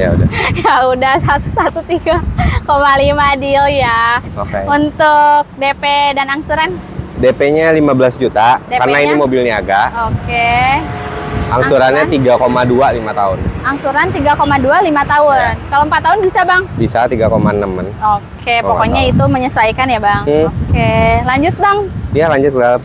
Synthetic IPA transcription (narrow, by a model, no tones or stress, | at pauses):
ja̰ṵdajaudahsat̪u̥sat̪ut̪iɡakomalimadiljaoeunt̪ʊk̚depedanaŋsuɾan | depeɲalimabəlasd͡ʒut̪adekarnaiimobilniaɡaʔoke | a̰ŋsuɾanɲat̪iɡakomadualimat̪aʊnaŋsuɾant̪iɡakomadualimat̪aʊnkalompat̪ːaɦʊnbisabaŋbisat̪iɡakomanəmanokʰeppokɔɲait̪uməɲəsajkanjabaŋokelaɲd͡ʒʊt̪̚baŋjalaɲd͡ʒʊt̪̚kədalam